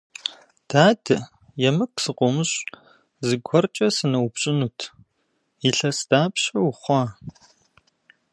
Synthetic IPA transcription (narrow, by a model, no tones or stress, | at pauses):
d̥aːdɨ | jɛmɨksɨqʷʼɔmɨɕʼ | zɨɡʷɔrt͡ʃʼɐsɨnɐwpɕʼɪnuːtʰ | iɬɐsd̥aːpɕɐwχʷɑː